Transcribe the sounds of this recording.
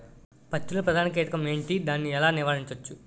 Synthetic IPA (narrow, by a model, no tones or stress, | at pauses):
pɐt͡ʃːulɐpɾɐd̪ʱaːnɐkeːʈɐkɐmeːɳʈid̪aːnːiɛlaːniɾʋaːɾiɲt͡ʃɐt͡ʃːu